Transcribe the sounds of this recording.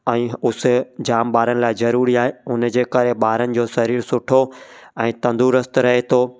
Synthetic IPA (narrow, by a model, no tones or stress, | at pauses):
ɛ̃ːʊs̆d͡ʑaːmɓaːɾənɪ̆laːɪzɐɾuːɾiaːɦeʊnd͡ʑeːkɐɾeɓaːɾənɪ̆d͡ʑoːsɐɾiːɾsʊʈʰoɛ̃ːt̪ɐ̃nd̪uɾəst̪ɾɐɦet̪ʰoː